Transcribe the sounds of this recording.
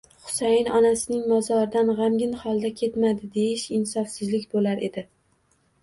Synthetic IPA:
χʊ̥sajɪnɒnasɪnɪŋmɒzɒɾɪd̪anʁamɡʲɪnχɒlˠd̪akʲʰe̞t̪mad̪ɪd̪e̞jɪʃɪnsɒfsɪzlɪkʲbolaɾe̞d̪ɪ

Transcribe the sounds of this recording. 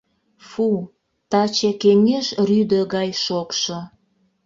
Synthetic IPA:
fu | t̪ɑt͡ɕekeŋʲeʃryd̪əɣɑjʃokʃo

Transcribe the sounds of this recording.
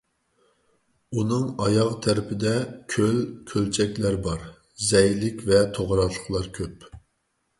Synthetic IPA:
unɨŋɑjɑʁt̪ʰæɾɪpʰɪd̪ɛkʲʰølkʲʰølt͡ʃʰɛkʲlæɾbɑɾ | zɛjlɪkʲvɛt̪ʰoʁɾɑt̪ə̥χlˠɑɾkʲʰøp

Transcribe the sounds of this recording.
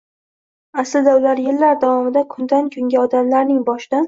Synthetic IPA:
aslɪd̪aʊlaɾjɪlːaɾd̪avɒmɪd̪akʰʊnd̪ankʲʰʊŋɡʲaɒd̪amlaɾnɪŋbɒʃɪd̪an

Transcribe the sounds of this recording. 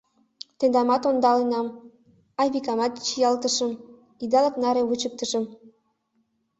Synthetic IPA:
t̪end̪ɑmɑt̪ond̪ɑlenɑm | ɑβʲikɑmɑt̪̚t͡ɕijɑlt̪ə̆ʃə̆m | id̪ɑlɑknɑɾeβut͡ɕək̚t̪ə̆ʃə̆m

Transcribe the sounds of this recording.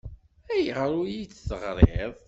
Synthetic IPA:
æjəʁɾˤujit͡sːθəʁɾˤeðˤ

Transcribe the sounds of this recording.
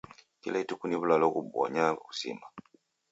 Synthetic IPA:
kilaitukuniβulalɔkuɓɔ̰ɲau̥sḭma

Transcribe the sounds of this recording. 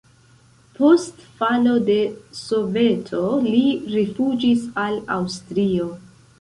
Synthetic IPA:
po̞stfalo̞de̞so̞ve̞tʰo̞liɾifud͡ʒisalawstɾio̞

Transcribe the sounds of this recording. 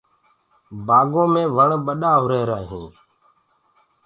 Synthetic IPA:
baːɡõːmẽːʋəɳɓəɗaːɦɾeːɾaːɦĩː

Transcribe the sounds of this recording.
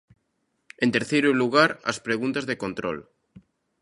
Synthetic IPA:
ent̪e̞ɾθejɾuluɣ̞aɾa̰spɾeɣunt̪azðeko̞nt̪ɾo̰l

